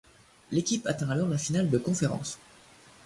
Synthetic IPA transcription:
lekʲipat̪ɛ̃alɔʁlafinald̪əkɔ̃feʁɑ̰̃s

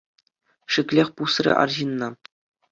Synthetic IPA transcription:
ʂɘ̆kʲlʲexʲpusrʲḛʔɑ̰rʑinːɑ

